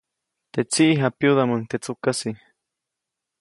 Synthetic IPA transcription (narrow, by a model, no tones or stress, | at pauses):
t̪et͡siʔɦapjuðamənt̪et͡sukasi